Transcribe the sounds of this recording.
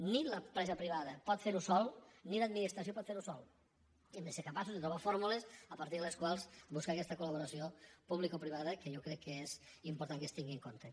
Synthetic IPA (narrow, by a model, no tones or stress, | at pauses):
niləmpɾɛzəpɾiβaðəpɔt̪feɾusɔlˠniləd̪̚minist̪ɾɐsiopɔt̪feɾusɔlˠ | emd̪eseɾkəpas̬uzðet̪ɾuβ̞afoɾmulesəpɐɾt̪iɾðəleskwalˠzbuskakɛst̪əkuləβuɾɐsiopuβlikopɾiβaðəkejokɾɛkːəezimpuɾt̪aŋkəst̪iŋɡiŋkont̪e